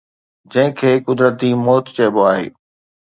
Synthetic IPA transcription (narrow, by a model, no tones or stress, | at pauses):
d͡ʑɐ̃ɦɪ̃kʰeːkʊd̪ɾət̪imɔːt̪t͡ɕeːboaːɦḛː